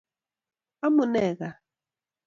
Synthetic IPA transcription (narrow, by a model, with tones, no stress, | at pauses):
a˦mʊ˨nɛ˨ɣa˨